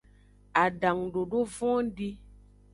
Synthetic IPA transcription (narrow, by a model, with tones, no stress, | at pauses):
a˨ɖa˨ŋɖo˨ɖo˦vɔ̃˦ɖi˦